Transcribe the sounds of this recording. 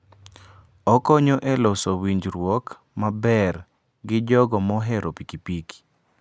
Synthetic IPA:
ɔkɔɲoʔelɔsowiɲd͡ʒɾwɔk | mabɛr | ɡɪd͡ʒɔɡɔmɔɦɛɾopikipiki̥

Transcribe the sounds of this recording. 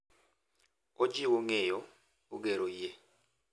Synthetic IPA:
od͡ʒiwɔŋɛjɔ | uk̬ɛɾɔjɛ

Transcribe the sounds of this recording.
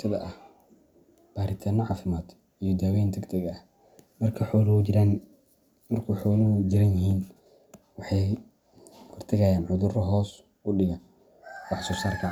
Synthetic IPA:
sʰɐðɐ̰ʔɐh | b̥aːɾɪt̪ʰaːnɐʕɑːfɪmaːd̪ | ijɔd̪aːwɛjnd̪ɛɡd̪ʰɐɡɐɐh | mɐrkʰɐħɔlɾɐn | mɐrkʰuħɔːlɐd͡ʒɪɾɐnjɪɦiːn | wɑħɑj | hɔrt̪ʰɐɣɐjaːnʕʊðʊrɔɦɔːs | ʊɖɪɣɐn | ɔħsɔːsaːrkʰɐ

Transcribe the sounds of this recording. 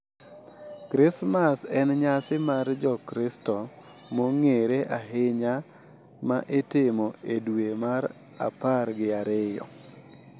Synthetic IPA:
kɾɪsmasɛnɲasɪmard͡ʒɔkɾɪstɔ | moŋeɾeʔaɦɪɲa | maʔetɪmoedwemaɾ | a̰parɡɪaɾɪjɔ̰

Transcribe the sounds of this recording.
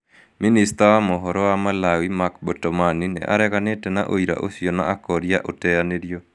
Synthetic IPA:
ministaamɔɦɔɾɔamalawimakbotomaninɛ̰ʔa̰ɾɛkanetɛnaʔo̰iɾa̰ʔo̰siona̰ʔakɔɾjaʔotɛjanedjo

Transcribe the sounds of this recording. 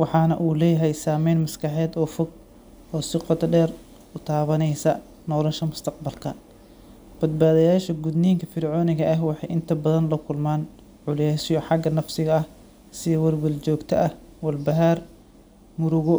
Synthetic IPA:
wɑħɑːnɐʔuːlɛːjɐɦɛjsaːmɛjnmɐskʰɑħɛːd̪ɔːfɔɡ | ɔːsɪqɔt̪ɐɖɛːr | ʊt̪ʰaːβɐnɛjsɐ | nɔːlɐʃɐmʊst̪ʰɐq̚bɐlkʰɐ | b̥ɐd̪̚baːðɐjaːʃɐɡʊd̪niːŋkʰɐfɪɾʕɔːnɪɣɐʔɐɦwɑħɑjʔɪnt̪ʰɐbɐðɐnlɐkʰʊlmaːn | ʕʊlɛsɪjɔħɑɡɐnɐfsɪɣɐɐh | sɪjwɐrwɪlt͡ʃɔːɡt̪ʰɐʔɐh | wɐlbɐɦar | mʊɾʊɣɔ

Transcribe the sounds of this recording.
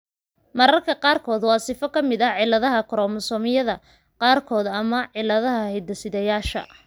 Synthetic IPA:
mɐɾɐrkʰɐqɑːrkʰɔːd̪wɑːsɪfɔkʰɐmɪd̪ɐʕɪlːɐðɐɦɐkʰɔɾɔːmɐsɔːmɪjɐðɐ | qɑːrkʰɔːðɐmɐʕɪlːɐðɐɦɐhɛd̪ɐsɪðɛjaːʃɐ̰

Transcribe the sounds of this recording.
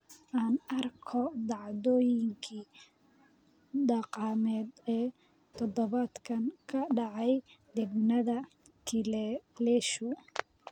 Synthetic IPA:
ʔaːnɐrkʰɔd̪ɑʕd̪ɔːjɪŋkʰiː | d̪ɑqɑːmɛːd̪ɛː | t̪ʰɔd̪ɔβad̪kʰɐnkʰɐɖɑʕɑjd̪ɛɡnɐðɐ | t̪ʰɪlɛlɛʃʊ

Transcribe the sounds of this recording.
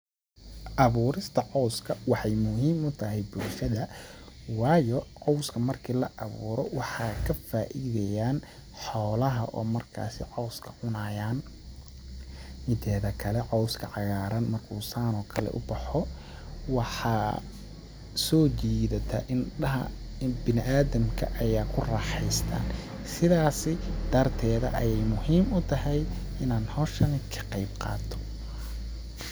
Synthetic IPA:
ʔɐβuːɾɪst̪ʰɐʕɔwskʰɐwɑħɑjmʊɦiːmʊt̪ʰɐɦɛjbʊlʃɐðɐwɑːjɔʕɔwskʰɐmɐrkʰiːlɐʔɑβṵːɾɔwɑħɑːkʰɐfaːʔiðɛjaːn | ħɔːlɐɦɐʔɔ̰ːmɐrkʰa̰ːsɪ̰ʕɔwskʰɐ̥ʕʊnaːjaːn | mɪt̪ʰɛːðɐkʰɐlɛʕɔwskʰɐʕɑɣaːɾɐnmɐrkʰuːsaːnɔːkʰɐlɛ̰ʔʊ̰bɐħɔ | wɑħɑː | sɔːt͡ʃiːðɐt̪ʰɐʔɪnɐɦɐ̰ | bɪnɪʔaːðɐmkʰɐ̰ʔɐjaːkʰʊrɑːħɛjst̪ʰa̰ːn | sɪðaːsɪd̪ɐrt̪ʰɛːðɐ̰ʔɐjɛjmʊhiːmʊt̪ʰɐɦɛj | ɪnaːnhɔʃɐnɪkʰɐ̥qɑjb̚qɑ̰ːt̪ʰɔ̥

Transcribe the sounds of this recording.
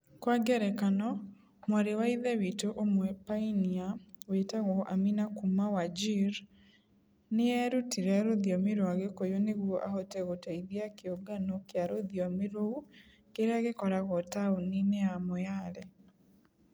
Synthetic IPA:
kwaɡɛɾɛkanɔ | mwaɾewaiðewitoʔomwɛpainiawetaɣɔʔa̰minakumawad͡ʒiɾ | nɪɛɾutiɾɛaɾodjɔmɪɾoaɡekojoneɣwoʔa̰hɔtɛɣotaiðjakeoɡanokeaɾod̪jɔmɪɾo | keɾɛaɡɪkɔɾaɣɔtaoninɛamɔjaɾɛ

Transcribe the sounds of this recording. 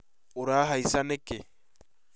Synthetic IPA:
uɾaːɦaisanɛke

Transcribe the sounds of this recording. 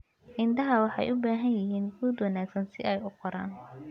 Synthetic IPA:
ʔɪnd̪ɐɦɐwɑħɑ̰jʔʊbaːɦɐnjɪɦiːnɡuːd̪wɑnaːɡsɐnsɪʔɛjʊqʰɔɾaːn

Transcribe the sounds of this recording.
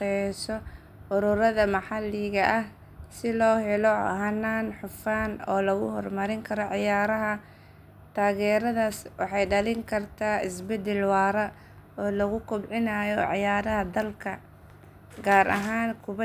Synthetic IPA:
ɛsɔ | ʔʊɾʊɾɐðɐmɐħɑlːɪɣɐʔɐh | sɪlɔːɦɛlɔhɐnːaːnħʊfaːnɔ̰ːlɐɣʊ̰hɔrmɐɾɪŋkʰɐɾɔʕɪjaːɾɐɦɐ | t̪ʰaːɣɛːɾɐðaːswɑħɑjɖɐlɪŋkʰɐrt̪ʰaːɪsbɛd̪ɛlwɑːɾɐ | ɔːlɐɣʊkʰʊbʕɪnaːjɔʕɑjaːɾɐhɐd̪ɐlkʰɐ | ɡaːɾʔɐ̰ɦaːnkʰʊβɐ

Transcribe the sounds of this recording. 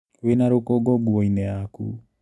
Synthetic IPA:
wenaɾokɔɡɔɡuɔinɛakṵ

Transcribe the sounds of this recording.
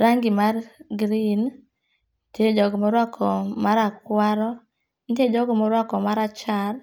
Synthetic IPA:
ɾaŋɡimarɡɾin | ted͡ʒɔɡmɔɾwakʰɔmaɾakwaɾɔ | inted͡ʒɔɡmɔɾwakɔmaɾat͡ʃaɾ

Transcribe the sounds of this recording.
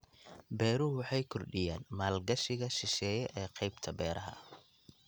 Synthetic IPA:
bɛːɾʊwɑħɑjkʰɔrɖɪjaːnmaːlɡɐʃɪɣɐʃɪʃɛːjɛʔɛːqɑjbt̪ʰɐbɛːɾʔɐɦɐ̰

